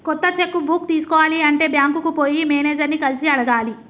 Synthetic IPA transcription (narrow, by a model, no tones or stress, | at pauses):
kɔt̪ːɐt͡ʃekːubʱuːkt̪iːsu̥kɔːʋaːliɐɳʈe̞ːbjaːŋkukupoːjimeːneːd͡ʒɐɾnːikɐlisiɐɽɐɡaːli